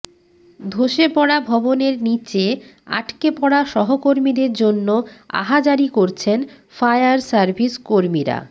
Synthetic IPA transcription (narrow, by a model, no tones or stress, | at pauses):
d̪ʱoʃepɔɽabʱɔboneɾnit͡ɕe | a̰ʈkepɔɽaʃɔɦokoɾmid̪eɾd͡ʑonːoa̰ɦad͡ʑaɾikoɾt͡ɕʰen | fajaɾsaɾbʱiskoɾmiɾa̰